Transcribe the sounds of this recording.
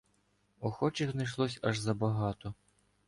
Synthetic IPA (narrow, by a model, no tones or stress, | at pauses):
ɔxɔt͡ʃɪxznɐjʃ̬lˠɔsʲɐʒzɐbɐɦɑt̪ɔ